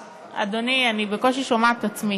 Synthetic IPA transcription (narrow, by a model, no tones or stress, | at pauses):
a̰d̪onianibekolʃ̬iʃomaʕat̪at͡smi